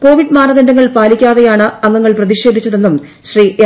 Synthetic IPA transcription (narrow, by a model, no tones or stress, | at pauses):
ko̞ːʋiɖmaːnɐðɐndɐŋːɐɭpaːlikʲːaːðejaːɳɨɐŋːɐŋːɐɭprɐðiɕe̞ːd̪ʱit͡ɕːɐðe̞nːum | ɕriː